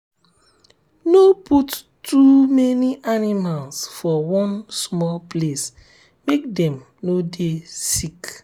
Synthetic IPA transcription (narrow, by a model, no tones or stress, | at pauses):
noput | tumɛniʔanimalsfɔwɔ̃nsmɔlples | mek̚dɛ̃m | nodesik